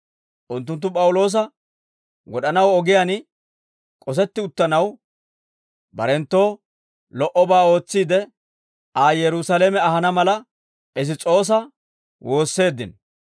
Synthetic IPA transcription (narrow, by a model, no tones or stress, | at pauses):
ʔʊnt̪ːʊnt̪ːʊpʼɐwʊlo̞ːs̬ɐ | ɡɔɗɐnɐwɔɡɪjan | kʼɔs̬ɛt̪ːɪʊt̪ːɐnɐw | bɐ̰ɾɛnt̪ːo̞ː | lɔʔɔbaːo̞ːt͡sːiːd̪ɛ | aːjɛɾʊsɐleːmɛɐhɐnɐmɐlɐ | ɛzɪt͡sʼo̞ːs̬ɐ | wo̞ːsːe̞ːd̪ːɪ̰n